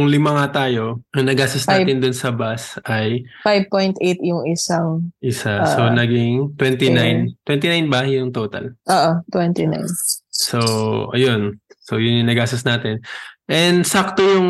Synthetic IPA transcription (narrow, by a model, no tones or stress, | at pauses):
jʊŋlɪmɐŋat̪aːjo̞ʔɐŋnɐɡaːst̪ɐsnaːt̪ɪnd̪ʊnsɐbasʔɐjfajbpojnt̪ʔet̪jʊŋɪsaʔɪsasonɐɡɪŋt̪wɛnt̪inajnnt̪wɛnt̪inajnbɐjʊŋt̪oːt̪ɐ̰lʔoːʔot̪wɛnt̪ina̰jnsoʔɐ̰jo̞nsojʊŋjʊŋnɐɡaːsɐsnaːt̪ɪnʔɛnd̪sak̚t̪ojʊŋ